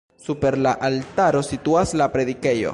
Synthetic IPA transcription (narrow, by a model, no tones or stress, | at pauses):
supe̞ɾlaʔaltaɾo̞sit̪uaslapɾe̞ðike̞jo̞̰